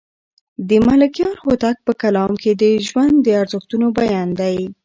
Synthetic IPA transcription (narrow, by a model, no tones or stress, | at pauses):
d̪əmalakjɑɾxot̪ak̚pəkalɑmkʰed̪əʒwand̪dːəaɾzəxt̪unobajɑnd̪aj